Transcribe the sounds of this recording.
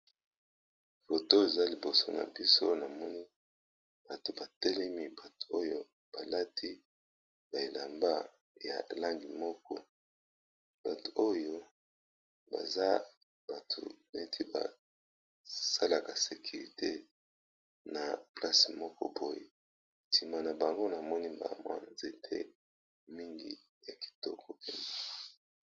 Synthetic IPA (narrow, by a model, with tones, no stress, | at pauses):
fo˨to˦e˨za˦li˨bo˨so˦na̰˨bi˦so˦na˨mɔ˦ni˦ | b̥a˨to˨ba˨tɛ˦lɛ˦mi˦ba˨tu̥˨o˦jo˦ | b̥a˨la˦tʰi˦ | ba˨e˨la˨mba˦ | ja̰˨la˦ŋɡi˨mɔ˦kɔ˦ | b̥a˨to̥˨o˦jo˦ | ba̰˨za˦ | b̥a˨tʰṵ˨ne˦tʰi˦ba̰˨ | sa˦la˨ka˨se˨kʰy˨ʁi˨te˦ | na˨pla˦si˨mɔ˦kɔ̰˦bo˦je˨ | ntʰi˨ma˨na˨ba˨ŋɡo˦na˨mɔ˦ni˦ba̰˨mwa̰˦nze˨tʰḛ˦ | mi˦ŋɡḭ˨ | ja˨ki̥˨tɔ˦kʰɔ˨pe˦na˨